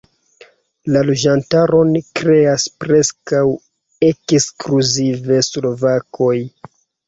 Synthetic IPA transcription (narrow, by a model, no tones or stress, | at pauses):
lalod͡ʒantaɾo̞nkɾe̞aspɾe̞skaw | ekskluzive̞slo̞vakʰo̞j